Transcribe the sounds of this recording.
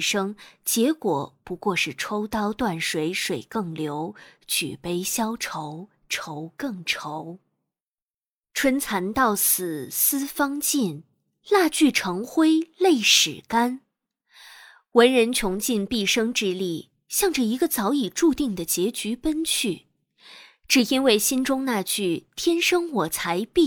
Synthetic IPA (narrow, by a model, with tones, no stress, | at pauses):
ʂɤ˥ŋt͡ɕjɛ˧˥kwɔ˨˩pu˧˥kwɔ˥˧ʂɻ̩˥˩ʈ͡ʂʰo˥ʊt̪ɑ˥ʊt̪wa˥˩nʂwe˧˥ɪʂwe˨˩ɪkɤ˥˩ŋljo˧˥ʊt͡ɕʰy̰˨˩pe˥ɪɕjɑ˥ʊʈ͡ʂʰo˧˥ʊ | ʈ͡ʂʰo˧˥ʊkɤ˥˩ŋʈ͡ʂʰo˧˥ʊ | ʈ͡ʂʰwə˥nt͡sʰa˧˥nt̪ɑ˥˩ʊsɹ̩˨˩sɹ̩˥fɑ˥ŋt͡ɕi˥˩n | la˥˧t͡ɕy˥˩ʈ͡ʂʰɤ˧˥ŋxwe˥ɪle˥˩ɪʂɻ̩˨˩ka˥n | wə˧˥nɻə˧˥nt͡ɕʰjʊ˧˥ŋt͡ɕi˥˧npi˥˩ʂɤ˥ŋʈ͡ʂɻ̩˥˧li˥˩ | ɕjɑ˥˩ŋʈ͡ʂə˨˩i˧˥ɡə˧t͡sɑ˧˥ʊi˨˩ʈ͡ʂu˥˧t̪i˥˩ŋd̪ə˩t͡ɕjɛ˧˥t͡ɕy˧˥pə˥nt͡ɕʰy˥˩ | ʈ͡ʂɻ̩˨˩i˥nwe˥˩ɪɕi˥nʈ͡ʂʊ˥ŋna˥˧t͡ɕy˥˩t̪ʰjɛ˥nʂɤ˥ŋwɔ˨˩t͡sʰa˧˥ɪpi˥˩